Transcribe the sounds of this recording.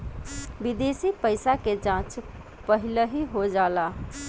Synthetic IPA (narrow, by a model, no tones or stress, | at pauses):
bid̪esipəɪsaked͡ʒãt͡ʃ | pəɦiləɦiɦod͡ʒaːla